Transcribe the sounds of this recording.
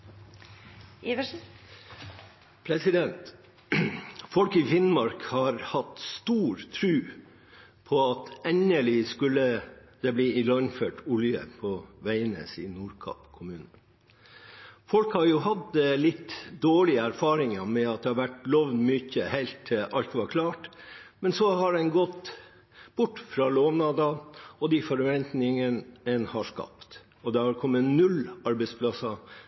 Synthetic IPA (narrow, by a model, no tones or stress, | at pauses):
pʰɾɛsɪd̪ɛnt̪ | fɔlkɪfɪnmɑɾkhɑɾhɑt̪st̪uːɾt̪ʰɾʉː | pʰɔɑt̪ɛnəɭɪskʉlːəd̪̥ɛbliːɪlɑnføːʈʊljə̰pʰɔʋæɪnə̰sḭnuːɾkʰɑ̰pkʰʊmʉːnə | fɔlkhɑɾjʊɦɑd̪əlɪt̪ːd̪oːɭɪəæɾfɑːɾɪŋəmɛɑt̪̚d̪ɛhɑɾʋæʈlɔʋnmʏçəhæɪlt̪ʰɪʔɑlt̪ʋɑɾkʰlɑːʈmɛnsɔhɑɖɛnɡɔt̪ | b̥ʊʈːfɾɑːloːʋnɑːd̪ɑɔd̪ɪfɔɾʋɛnt̪nɪŋənənhɑʂkɑ̰pt̪ | ɔd̪ɛhɑɾkʰɔmːənʉlɑɾbɛɪspʰlɑsɑ